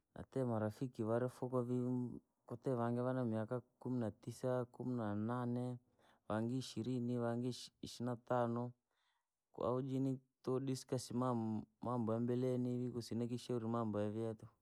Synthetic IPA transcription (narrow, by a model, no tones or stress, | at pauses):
a̰t̪ɛmaɾafikiβaɾɛfɔkavi | kɔtɛʋaŋɡɛβanamiakakuminatisakuminananɛ | βaŋɡiːʃiɾiniβaŋɡiiʃinat̪anɔ | ka̰ud͡ʒinitɔɗiskasimamambɔjambɛlɛniβikusinɛkiʃɛuɾimambɔjaviat̪u